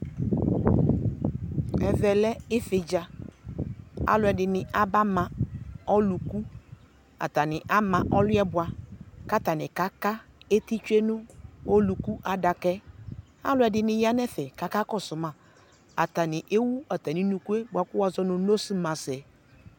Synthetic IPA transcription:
ɛ˨vɛ˨lɛ˦ɪ˦fɪ˨d͡ʒa˨ | a̰˦lʊ˨ɛ˨dɪ˨nɪ˨a˦ba˦mã˨ɔ˦lu˨ku˦ | a̰˨ta˨nɪ˨ʔa˦mã˨ʔɔ˦lʊ˦ɛ˦bʊ˨a˨ka˦ta˨nɪ˨ka˦ka˦e˦ti˦t͡ʃe˦nʊ˦o˦lu˨ku˦ʔa˨da˨kɛ˦ | a̰˦lʊ˨˦ɛ˨dɪ˨nɪ˨ja˦nɛ˦fɛ˨ka˨ka˦kɔ˦sʊ˨mã˨ | a˨ta˨nɪ˨ʔe˦wu˦a˨ta˨ni˨nu˨ku˦e˦ba˨kʊ˦wa˨zɔ˦nʊ̃˨no˦si˦mã˨sɛ˨

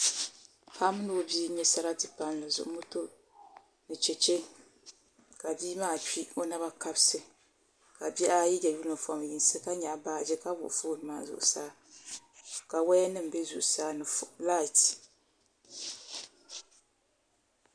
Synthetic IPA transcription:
ka˦mɨ˦nɨ˦o˨bi˦ɲɛ˦sa˦ɾa˦tɨ˦pa˦n˨la˨zʊ̰˨ʔʊ˦mu˦to˦ | nɨ˨t͡ʃɛ˨t͡ʃe˦ | ka˨biː˦maː˦˨t͡ʃi˦o˦na˦βa˦ka˦bsɨ˨ | ka˨bɛ˦ʔa˦jɛ˦d͡ʒɛ˨ju˦lɨ˨fa˨m˨ji˨n˦sɨ˦ka˦ɲa˨baː˨d͡ʒɛ˦ka˦bʊ̰˨ʔfoː˦˨nɨ˨maː˦zʊ̰˨ʔʊ˨saː˦ | ka˨wa˦ɛ˦nɨ˦m̩˨bɛ˦zṵ˨ʔsaː˦nɨ˨fla˦˨t

